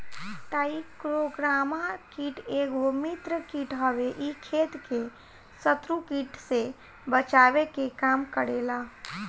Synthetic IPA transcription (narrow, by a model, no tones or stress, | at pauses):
ʈaːiɪkɾoɡɾaːmakiːʈeːɡomit̪ɾəkiʈɦəʋeʔikʰeːt̪ke | sət̪ɾukiːʈse | bət͡ʃaːʋekekaːmkəɽeːlaː